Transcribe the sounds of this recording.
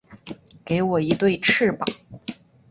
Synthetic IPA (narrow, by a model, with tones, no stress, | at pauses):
ke˧˥ɪwɔ˨˩i˧˥t̪we˥˧ɪʈ͡ʂ̩ʰ˥˩pɑ˨˩˦